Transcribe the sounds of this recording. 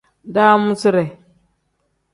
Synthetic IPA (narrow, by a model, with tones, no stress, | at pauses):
da˦mu˦si˦ɾe˨